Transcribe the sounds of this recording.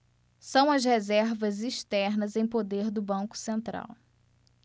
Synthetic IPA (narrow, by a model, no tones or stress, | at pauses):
sɐ̃w̃ɐz̬hezɛɾvɐziʃt̪ɛɾnɐzẽj̃pod̪eɾd̪ʊbɐ̃ŋkʊ̥sẽnt̪ɾa̰w